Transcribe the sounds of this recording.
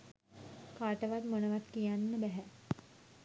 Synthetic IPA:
kaːʈəʋat̪mənəʋat̪kijanːəbɛɦɛ

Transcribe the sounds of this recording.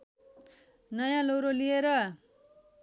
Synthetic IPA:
nʌjãlowɾolieɾʌ

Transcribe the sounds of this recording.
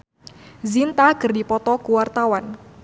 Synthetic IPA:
zint̪aɡɨrdipɔt̪ɔkuwart̪awan

